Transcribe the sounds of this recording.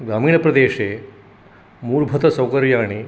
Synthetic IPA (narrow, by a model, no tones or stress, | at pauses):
ɡaːmiːɳ̃ɐpɾɐd̪eːʃeː | muːɾbʱɐt̪ɐsɐwkɐɾjaːɳ̃i